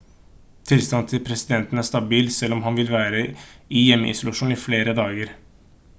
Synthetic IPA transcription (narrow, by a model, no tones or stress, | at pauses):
t̪ʰɪlst̪ɑnt̪ʰɪlpʰɾɛsɪd̪ɛnt̪ən̩æʂt̪ɑbiːlsɛlːɔmɦɑnʋɪlʋæːɾəɪjɛmːə̰ʔɪ̰sʊlɑʂuːnɪfleːɾəd̪ɑːɡəɾ